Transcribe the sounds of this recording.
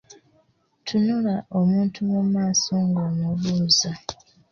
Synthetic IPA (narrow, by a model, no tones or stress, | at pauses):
tʰunulaʔomuːntʰumumaːsoːŋɡomuβuːza